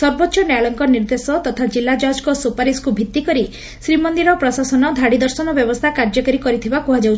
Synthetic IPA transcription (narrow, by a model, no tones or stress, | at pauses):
sɔɾbɔtːʃɔnaɭɔŋkɔniɾd̪esɔt̪ɔt̪ʰad͡ʒilːad͡ʒɔɦd͡ʒkɔsupaɾiskubʱit̪ːikɔɾi | sɾimɔnd̪iɾɔpɾɔsasɔnɔd̪ʱaɽid̪ɔɾsɔnɔbjɔbɔst̪ʰakaɾd͡ʒɔkaɾikɔɾit̪ʰibakuɦad͡ʒawt͡ʃʰ